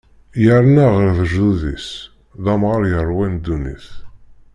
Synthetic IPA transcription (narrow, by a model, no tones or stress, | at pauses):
jəɾnæʁəɾðəʒuðḭs | ðæmʁəɾˤjərˤːwænd̪ːunḭθ